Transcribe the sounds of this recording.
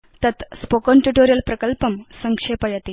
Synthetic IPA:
t̪ət̪spokənʈuʈoɾijəlpɾəkəlpəmsəŋkʂepəjat̪i

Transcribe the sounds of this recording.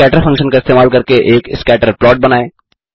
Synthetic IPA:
ɛːʈəɾfʰɐ̃ŋkʃənkaɪst̪eːmaːlkɐɾkeʔeːkɪskɛːʈəɾplɔːʈ̚bɐnaːeː

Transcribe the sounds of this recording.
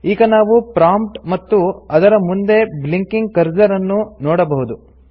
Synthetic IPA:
iːɡɐnaːʋupɾaːmpʈmɐt̪ːuɐd̪ɐɾɐmund̪e̞bliŋkiŋɡ̚kɐɾd͡ʒɐɾɐnːunɔːɽɐbɐɦud̪u

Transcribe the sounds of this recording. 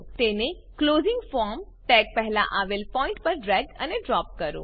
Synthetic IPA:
t̪eːne | kloːzɪ̃ŋɡfɔːɾmʈɛːk̚pɛɦla̰ʔaʋelpɔ̃ːɪ̃ɳʈpəɾɖɾɛːɡ̚ə̰neɖɾɔːp̚kəɾo̰ː

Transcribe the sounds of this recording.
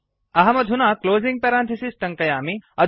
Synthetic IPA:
ɐɦɐmɐd̪ʱunaːkloːzĩŋɡ̚pɐɾãːnt̪ʰisisʈɐŋkɐjaːmiɐ

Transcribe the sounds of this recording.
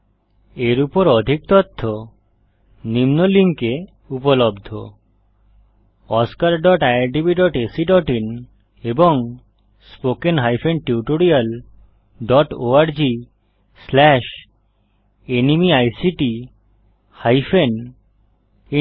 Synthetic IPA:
eɾupoɾɔd̪ʱik̚t̪ot̪ʰːo | nimnoliŋke | upolobd̪ʱo | ɔskaɾɖɔʈajaɾɖibiɖɔʈesiɖɔʈin | eboŋ | spokenɦajfʰenʈiuʈoɾial | ɖɔʈoaɾd͡ʑi | slɛʃ | enimiajsiʈi | hajfʰen | i

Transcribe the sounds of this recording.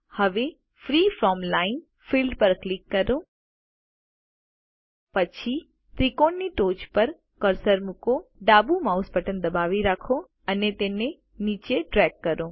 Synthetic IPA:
hɐʋe | fɾiːfʰɾɔːmlaɪn | fʰiːlɖpəɾklɪkːəɾo | pət͡ʃʰi | t̪ɾikoːnːiʈoːt͡ʃpəɾ | kəɾsəɾmʊkoɖaːbumaʊspəʈənd̪ɐbaːʋiɾaːkʰo | ənet̪ene | niːt͡ʃeʈɾɛkːəɾoː

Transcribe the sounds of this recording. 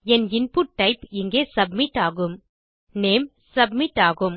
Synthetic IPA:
ɛnɪnpuːʈːɐɪpɪŋɡeːsɐbmɪʈːaːɣɯm | neːm | sɐb̚mɪʈːaːɣɯm

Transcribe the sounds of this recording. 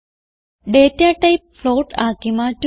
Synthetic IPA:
ɖeːtːaʈːɐjp̚floːʈaːkːimaːtː

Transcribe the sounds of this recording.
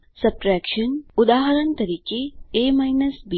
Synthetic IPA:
sɐpɾɛːkʃɐnud̪aːɦɐɾɐnt̪ɐɾiːkeeːmɐjnɐsbi

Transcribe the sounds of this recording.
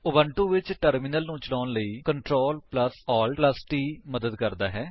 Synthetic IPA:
ʊbəɳʈuːʋɪt͡ʃʈəɾmɪnəlnũːt͡ʃəlaːnləiːkəɳʈɾoːlpləsɔːlpləsʈiːməd̪əd̪kəɾd̪aːɦɛː

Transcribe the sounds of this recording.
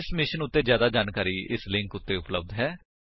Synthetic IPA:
ɪsmɪʃənʊt̪ːeːd͡ʒjaːd̪aːd͡ʒaːnkaːɾiːɪ̰slɪ̃ŋkʊt̪ːeːʊpləb̚d̪ɦɛː

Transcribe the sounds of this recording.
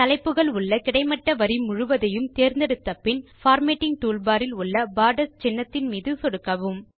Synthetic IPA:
t̪ɐlɐɪpːɯɣɐɭʊɭːɐkɪɽɐɪmɐʈːɐʋɐɾimʊɻʊʋɐðɐjɯmt̪eːɾnd̪ɛɽɯt̪ːɐpːɪnfaːɾmeːʈːɪŋɡʈuːlbaːɾɪlʊɭːɐbaːɖɐst͡ʃɛnːɐt̪ːɪnmiːðɯsɔɽɯkːɐʋɯm

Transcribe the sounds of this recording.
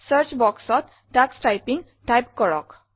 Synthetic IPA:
sʌɾt͡ʃbɔksɔt̪̚ | ɖaksʈajpiŋɡ | ʈajp̚kɔɾɔ̰k

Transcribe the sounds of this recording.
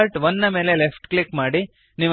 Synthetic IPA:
ɾʈʋɐnːɐme̞ːle̞lefʰʈklikmaːɽi | niːʋ

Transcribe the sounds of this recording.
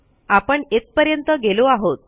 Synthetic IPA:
apəɳet̪̚pəɾjənt̪əɡeloaɦot̪̚

